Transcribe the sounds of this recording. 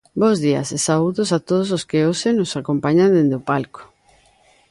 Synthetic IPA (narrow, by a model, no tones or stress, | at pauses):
bowzðiɐ̰sesauðʊsat̪oðos̬oskeosenosakompaɲãnd̪end̪opalko̥